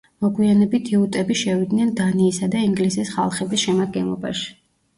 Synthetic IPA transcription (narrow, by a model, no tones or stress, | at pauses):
mɔɡwianɛbit̪ʰiut̪ʼɛbiʃɛvid̪nɛnd̪aniːsad̪aiŋɡlisisχa̰lˠχɛbisʃɛmad̪̚ɡɛnlˠɔ̰ba̰ʃi̥